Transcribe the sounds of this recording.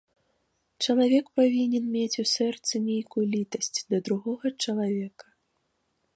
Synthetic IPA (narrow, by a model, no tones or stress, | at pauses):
t͡ʂɐlˠavʲɛkpavʲinʲɛnmʲet͡sʲusɛrt̪sɨmʲejkujulʲit̪ɐsʲt͡sʲd̪ɐd̪ɾuɣɔɣɐt͡ʂɐlˠavʲɛkɐ̥